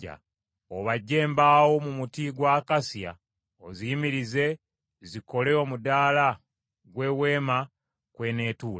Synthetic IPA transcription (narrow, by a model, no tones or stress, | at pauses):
a̰ | oβaɟːe̞ːmbaːwo̞mumutiɡwaːkasja̰ | oziimiɾize̞ | ziko̞le̞omudaːla | ɡwe̞ːwe̞ːma | kwe̞ːne̞ːtuːa